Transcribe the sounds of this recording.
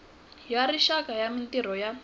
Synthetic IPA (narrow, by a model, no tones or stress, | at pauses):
jaɾiʃakajamintiɾ̤ɔja